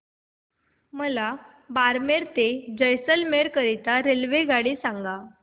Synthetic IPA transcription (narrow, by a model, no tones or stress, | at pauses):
məla | baɾmeɾt̪ed͡ʑəjsəlmeɾkəɾit̪aɾelʋeɡaɽiːsaŋɡa